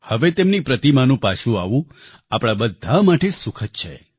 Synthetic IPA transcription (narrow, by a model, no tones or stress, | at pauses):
həʋet̪emnipɾət̪imanũpaʃũa̰ʋũ | apɽ̃abəd̪ʱamaʈesukʰət̪̚t͡ʃʰe